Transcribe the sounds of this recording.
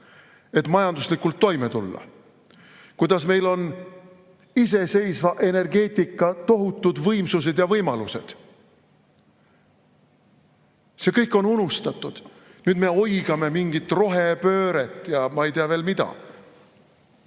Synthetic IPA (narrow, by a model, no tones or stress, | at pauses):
e̞t̪ːˑmɑjɑnd̪uslikːˑult̪ːo̞jmet̪ulːɑ̰ | kujd̪̥ɑsme̞jlo̞n | is̬e̞se̞jsvɑʔe̞ne̞rɡe̞ːt̪ʲikːˑɑt̪o̞ɦut̪ːˑud̪vɤjmsus̬e̞d̪jɑvɤjmɑluse̞̰d̪̥ | se̞kɤjkːˑo̞nunust̪ɑt̪ːˑud̪̥ | nyːd̪me̞o̞jɡ̥ɑme̞miŋɡ̥it̪ːˑro̞ɦe̞pø̞ːɾe̞t̪ːˑjɑmɑe̞jt̪eɑve̞ːlmid̪̥ɑ̰